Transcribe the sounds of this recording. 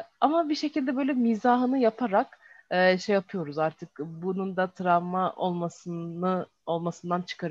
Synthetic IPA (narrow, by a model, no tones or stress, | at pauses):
amabiʃe̞cilʲd̪ɛbø̞jlʲɛmizaːɦɯnɯjapʰaɾak | ɛʃejapʰɯjo̞ɾuzaɾt̪ʰɯk̚bunund̪at̪ʰɾamaʔolˠmasɯɯ | o̞lˠmasɯnd̪ant͡ʃʰɯ̥kʰaɾ